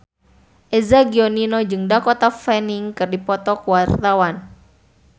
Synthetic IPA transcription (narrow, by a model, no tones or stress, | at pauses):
ʔɛzaɡiɔninɔd͡ʒɨŋdakɔt̪afɛniŋkɨrdipɔt̪ɔkuwart̪awan